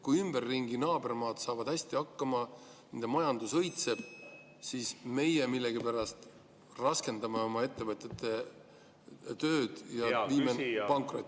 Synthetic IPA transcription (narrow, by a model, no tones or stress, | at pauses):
kujymb̥e̞rːiŋɡ̥inɑːbe̞rmɑːt̪sɑːvɑd̪̥hæsʲt̪iɑkːɑmɑnend̪emɑjɑnd̪usɤ̞jt̪se̞b̥ | siːsme̞jemilːe̞ɡ̥ipæɾɑst̪ | rɑske̞nd̪ɑmeo̞mɑe̞t̪ːe̞vɤt̪ʲːˑet̪ːˑe̞ | t̪øːd̪̥jɑviːmepɑŋkˑrot̪ːˑ